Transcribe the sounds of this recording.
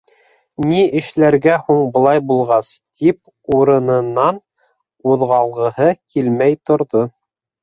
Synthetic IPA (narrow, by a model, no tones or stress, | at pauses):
niɘ̆ʃlæɾɡæhuɴbɤ̆lˠɑjbulˠʁɑst̪ʰip̚ | uɾɤ̆nɤ̆nːɑn | uðʁɑlˠʁɤ̆hɤkʰilmæjt̪ŏɾðo